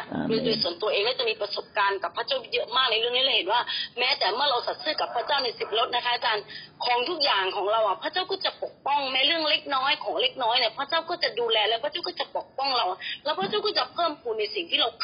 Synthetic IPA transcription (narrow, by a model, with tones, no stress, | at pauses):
ɾuː˨˦duː˧˩su˨˩˦nt̪u˧ɐʔeː˧ŋlɔaː˥˩t͡ɕa˨˩miː˧pɾa˧so˨˩p̚kaː˧nka˨˩pʰa˧˥˩t͡ɕaː˥˩wjɤ˦˥ʔmaː˥˩k̚na˧jɾɯ˥˩əŋniː˦˥lɛː˧˥˩he˨˦nwaː˥˩mɛː˦˥t̪ɛː˨˩mɯ˥˩ɐɾa˧wsa˨˩t̪̚sɯː˥˩ka˨˩pʰːaː˦˥˩t͡ɕaː˥˩wna˧jsi˨˩p̚ɾo˦˥t̪̚na˦˥kʰa˦˥ʔa˨˧t͡ɕaː˧nkʰɔː˩˦ŋt̪ʰu˦˥k̚jaː˨˩ŋkʰɔː˩˦ŋɾa˧wʔa˨˩pʰaː˧˥˨t͡ɕaː˥˩wkɔː˥˩t͡ɕa˨˩po˨˩k̚pɔ˥˩ŋmɛː˦˥ɾɯ˥˩əŋle˦˥k̚nɔː˦˥jkʰɔː˩˦ŋle˧˥˩k̚nɔː˦˥jni˧˩pʰaː˦˥t͡ɕaː˥˩wkɔː˥˩t͡ɕa˨˩duː˧lɛː˧lɛː˧˦˥pʰa˧˥t͡ɕa˥˩kɔː˥˩t͡ɕa˨˩po˨˩k̚pɔ˥˩ŋɾa˧wa˨˩lɛː˦˥wpʰaː˥t͡ɕaː˥˩kɔː˥˩t͡ɕa˨˩pʰɤː˥˩mkʰuː˧nːa˧jsi˨˩ŋt̪ʰiː˥˩ɾa˧wk